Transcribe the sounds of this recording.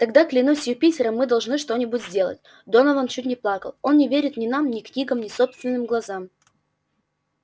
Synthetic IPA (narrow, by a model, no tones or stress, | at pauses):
t̪ɐɡd̪aklʲɪnusʲjupʲitʲɪɾəmːɨd̪ɐlˠʐnɨʂt̪o̞nʲɪbʊtʲzʲdʲe̞lˠə̰tʲ | d̪onəvənt͡ɕutʲnʲɪplˠakə̰lˠo̞nnʲɪvʲeɾʲɪt̪nʲɪnamnʲɪknʲiɡəmnʲɪso̞pst̪vʲɪnːɨmɡlˠɐzam